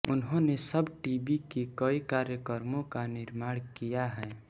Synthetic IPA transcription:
ʊnɦõnesəbʈiːbikekəikaːɾjəkəɾmõkanɪɾmaːɽ̃kijaɦɛː

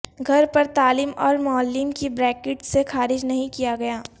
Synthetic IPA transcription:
ɡʱɐɾpɐɾt̪aːlɪmɔːɾmɔːlːiːmkibɾɛːkɪʈsexaːɾɪd͡ʒnɐɦĩkijaɡɐjaː

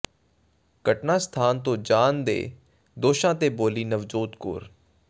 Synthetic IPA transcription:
kəʈnãːst̪ʰaːnt̪̬õːd͡ʒaːnd̪ḛː | d̪oːʃãːt̪eːboːliːnəʋd͡ʒoːt̪ko̰ːɾ

